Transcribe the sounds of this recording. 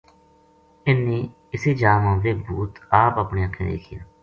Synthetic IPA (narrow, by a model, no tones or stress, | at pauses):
ɪnːeː | ɪseːd͡ʒaːmə̃ːmleːbuːt̪aːpəːpɳeːəkʰːḛ̃ːd̪ḛːkʰɪjaː